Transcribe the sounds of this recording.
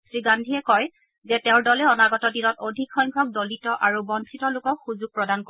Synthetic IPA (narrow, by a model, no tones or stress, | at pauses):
sɹiɡandʱiɛkɔj | zɛtɛʊ̃dɔlɛɔnaɡɔtɔdinɔtodʱikxɔjŋɡʱɔk̚dolitɔʔaɹubɔnsʰitɔlʊkɔkxuzuɡ̚pɹɔdanko